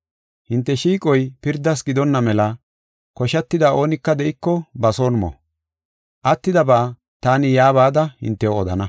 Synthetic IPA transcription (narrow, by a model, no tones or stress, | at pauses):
hɪnt̪ːɛʃiːkʼɔjpɪɾd̪ːɐs̬ɡɪd̪ɔnːɐmɛlɐ | kɔʃɐt̪ːɪd̪aʔo̞ːnɪkːɐd̪ɛʔɪkːɔbɐso̞ːnmɔ̰ | ʔɐt̪ːɪd̪ɐbaː | t̪aːnɪjaːβaːd̪ɐhɪ̰nt̪ːɛoɔd̪ɐnɐ